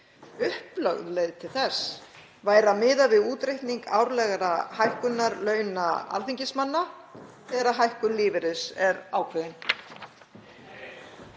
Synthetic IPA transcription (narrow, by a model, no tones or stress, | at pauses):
ʏhplœ̰ɣðlejðt̪ʰɪlθɛsː | vaːjɾamɪːðavɪðuːt̪ɾejht̪niŋkaːwɾlɛɣaɾahajhkʏnːaɾlœːɥna̰a̰lθiɲcɪsmanːa | θɛːɾaɦajhkʏnlɪːvɪɾɪðsɛɾaːwkʰvɛːðɪn